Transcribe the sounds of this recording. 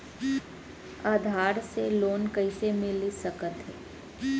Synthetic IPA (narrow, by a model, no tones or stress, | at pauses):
aːd̪ʱaːɾseloːnkəɪsemɪlisəkət̪ɦɛː